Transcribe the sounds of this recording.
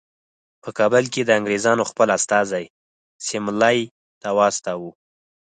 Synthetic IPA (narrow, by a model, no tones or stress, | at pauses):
pəkɑbəlked̪əaŋɡɾezɑnoxpəlast̪ɑzaj | sɪmlaj | t̪awɑst̪awu